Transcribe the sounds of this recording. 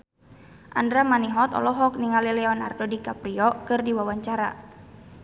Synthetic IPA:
ʔa̰ndɾamaniɦɔt̪ɔ̰lɔɦɔk̚niŋalilɛɔna̰rdɔdikapɾiɔkɨrdiwawaɲt͡ʃaɾa̰

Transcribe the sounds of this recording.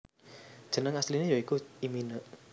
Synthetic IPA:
d̥ʒ̥ə̤nəŋaslinejoikuiminəʔ

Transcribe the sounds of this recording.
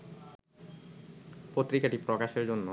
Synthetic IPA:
pot̪ːɾikaʈipɾɔkaʃeɾd͡ʑonːo

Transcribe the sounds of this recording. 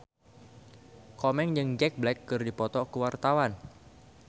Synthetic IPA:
kɔmɛŋd͡ʒɨŋd͡ʒɛk̚blɛkːɨrdipɔt̪ɔkəwart̪awan

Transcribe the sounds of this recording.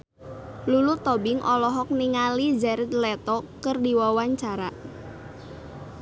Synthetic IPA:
lulut̪ɔbɪŋʔɔlɔɦɔk̚niŋalid͡ʒaɾɪt̪̚lɛt̪ɔkərdiwawaɲt͡ʃaɾaʔ

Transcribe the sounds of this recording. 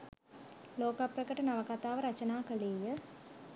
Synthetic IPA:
loːkaprɐkəʈənaʋɐkat̪aːʋəɾɐt͡ʃɐnaːkəleːjə

